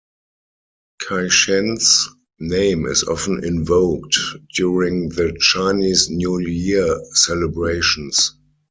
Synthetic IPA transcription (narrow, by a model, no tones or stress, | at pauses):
kʰaɪʃɛ̃ns | nẽɪ̃mɪ̰sɔ̰fə̃n̩ɪ̰̃nvoʊktd̥juɹɪ̃ŋðət͡ʃaɪniːsnjujisɛlɛbɹeɪʃə̃ns